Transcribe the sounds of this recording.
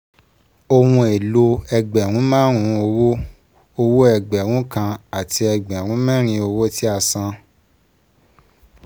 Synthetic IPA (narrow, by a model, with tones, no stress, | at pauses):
o˧wũ˧e˨lo˧ɛ˧ɡ͡bɛ˨ɾũ˨˦mãː˦ɾ̃ũ˧o˧wo˦ | o˧wo˦ɛ˧˨ɡ͡bɛ˨ɾ̃ũ˨˦kã˧a˨ti˧ɛ˧ɡ͡bɛ˨ɾ̃ũ˨˦mɛ̃˦ɾ̃ĩ˧o˧wo˦ti˦a˧sã˧